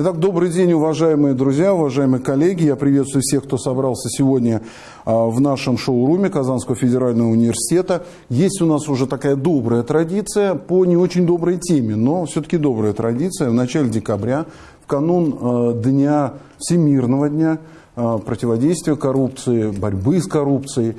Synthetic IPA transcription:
ɪt̪ak̚d̪o̞bɾɨjdʲenʲʊvɐʐajɪmɨjəd̪ɾʊzʲjaʊvɐʐajɪmɨjkɐlʲːeɡʲɪjapɾʲɪvʲet̪st̪vʊjʊfsʲe̞xkt̪o̞sɐbɾalˠsʲəsʲɪvo̞dʲnʲə | vnaʂɨmʂoʊɾumʲɪkɐzanskəvəfʲɪdʲɪɾalʲnəvəʊnʲɪvʲɪrsʲɪ̥tʲe̞t̪ə | jesʲtʲʊnasʊʐɛt̪ɐkajəd̪o̞bɾəjət̪ɾɐdʲit̪sɨjəponʲɪo̞t͡ɕɪnʲd̪o̞bɾəjtʲemʲɪno̞fsʲɵt̪ə̥kʲɪd̪o̞bɾəjət̪ɾɐdʲit̪sɨjəvnɐt͡ɕalʲɪdʲɪkɐbɾʲa | fkɐnund̪nʲa | fsʲɪmʲirnəvədʲnʲa | pɾətʲɪvɐdʲejst̪vʲɪjəkɐɾup̚t̪sɨɪbɐɾʲbɨskɐɾupt̪sɨjɪ

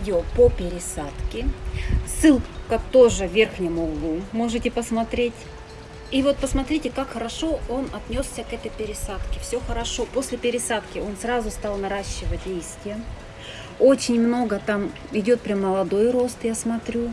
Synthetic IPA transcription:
dʲɪopəpʲɪɾʲɪsat̪kʲɪsɨlˠkət̪oʐɨvʲerxnʲɪmʊlumo̞ʐɨtʲɪpəsmɐt̪ɾʲetʲ | ivo̞t̪̚pəsmɐt̪ɾʲitʲɪkakxəɾɐʂo̞o̞nɐt̪nʲo̞ssʲəɐt̪ɛt̪əjpʲɪɾʲɪsat̪kʲɪfsʲoxəɾɐʂo̞po̞sʲlʲɪpʲɪɾʲɪsat̪kʲɪo̞nsɾazʊst̪alˠnɐɾaɕːɪvət̚ʲdʲejst̪vʲɪjə | o̞t͡ɕɪnʲmno̞ɡət̪am | ɪdʲo̞t̪̚pɾʲamːəlˠɐd̪o̞jɾo̞st̪jasmɐt̪ɾʲu

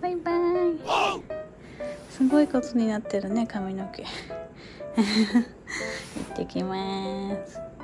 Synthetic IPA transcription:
b̥ajbai | sɨɡo̞ikot͡sɨɲ̟inat̪ːe̞ɾɯ̟ne̞kamʲinoke | ḭt̪ːekʲimasɨ̥

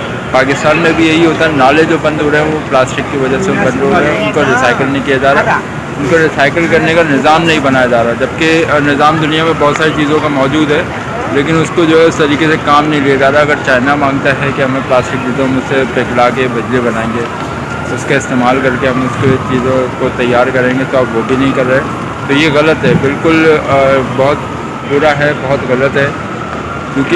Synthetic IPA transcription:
paːkɪst̪aːnmẽbʱijɐɦiɦoːt̪aɦɛnaːled͡ʒoːbɐ̃nd̪ʱoːɾeɦɛ̃ʋoplaːsʈɪkːiʋɐd͡ʒəsebɐ̃nd̪ɦoːeɦɛ̃ʊnkoɾɪsaːɪkəlneĩkiad͡ʒaːɾa | ʊnkoɾɪsaːɪkəlkɐɾnekanɪzaːmnɐɦĩbɐnaːjad͡ʒaːɾaɦɛd͡ʒɐb̚kenɪzaːmd̪ʊnijamẽbɔːt̪saːɾit͡ʃiːzõkamɔːd͡ʒuːd̪ɦɛː | leːkɪnʊskod͡ʒoːɦɛɪst̪ɐɾiːkesekaːmnɐɦĩleːad͡ʒaːɾaɐɡəɾt͡ʃaːɪnamãːŋɡt̪aɦɛkiɦɐmẽplaːsʈɪk̚d͡ʒiːzõmeʊsepeːklaːkebɐd͡ʒlebɐnaːẽːŋɡeː | ʊskaɪst̪eːmaːlkɐɾkeɦɐmʊsket͡ʃiːzõkot̪ɐjːaːɾkɐɾẽːŋɡet̪oabʋobʱinɐɦĩkɐɾːɛɦe | t̪ojeɣɐlət̪ɦɛbɪlkʊl | bɐɦʊt̪ | puːɾaɦɛbɔɦʊt̪ɣɐlət̪ɦɛː | kjũːki

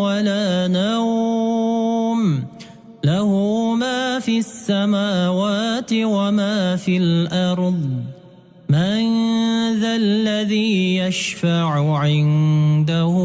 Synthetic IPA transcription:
walaːnaw | m | lahʊmaːfiasːamaːwaːt̪ɪwamaːfilʔɑɾˤðˤ | manðalːaðiːjaʃfaʕʊʕɪnd̪ahʊ

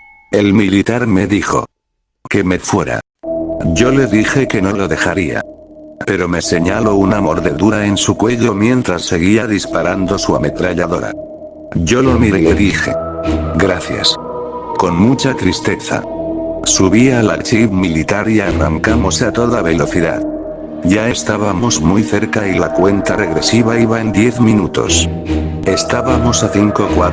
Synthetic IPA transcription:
e̞lmilit̪aɾme̞ðixo̞̰ | ke̞me̞fwe̞ɾa̰ | ɟ͡ʝo̞le̞ðixe̞ke̞no̞lo̞ðe̞xaɾia̰pe̞ɾo̞me̞se̞ɲalo̞unamo̞ɾðe̞ðuɾae̞nsukwe̞ʎo̞mje̞nt̪ɾasːe̞ɣ̞iaðispaɾand̪o̞sua̰me̞t̪ɾaʎaðo̞ɾa̰ | ʝo̞lo̞miɾele̞ðixe̞̰ɡɾaθja̰s | ko̞nmut͡ʃat̪ɾist̪e̞θa̰suβiala̰t͡ʃiβmilit̪aɾiara̰ŋkamo̞seat̪o̞ðaβe̞lo̞θiða̰ð | ʝae̞st̪aβamo̞zmujθe̞ɾkailakwe̞nt̪areɣɾe̞siβaiβae̞nd̪je̞θmĩnut̪o̞̰s | e̞st̪aβamo̞saθiŋko̞kwa

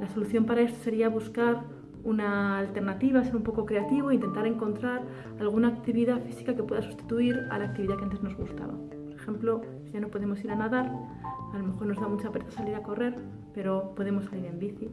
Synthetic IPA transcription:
laso̞luθjo̞mpaɾae̞st̪ose̞ɾiaβ̞uskaɾ | unaːlt̪e̞ɾnat̪iβ̞aːse̞ɾumpo̞ko̞kɾe̞at̪iβoint̪e̞nt̪aɾe̞ŋko̞nt̪ɾaɾ | alɣ̞unaːkt̪iβiðafisi̥kake̞pwe̞ðasu̥st̪i̥t̪uiɾa̰laːk̚t̪iβiðakeant̪e̞zno̞zɣust̪a̰βa̰ | poɾexe̞mplo̞ | ʝano̞po̞ð̞e̞mo̞siɾanaðaɾ | alo̞me̞xo̞ɾno̞zðamut͡ʃapeθasaliɾako̞re̞ɾ | pe̞ɾo̞po̞ðe̞mo̞sːaliɾe̞mbiθi

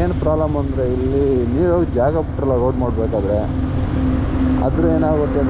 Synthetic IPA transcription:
eːnpɾaːblɐmɐnd̪ɾeilːiniːʋjoːɡɐd͡ʒaːɡɐpuʈːɾɐlaɡɐːɖmaːɖbeːkaːd̪ɾe | ɐ̰d̪ɾueːnaːɡot̪ːen

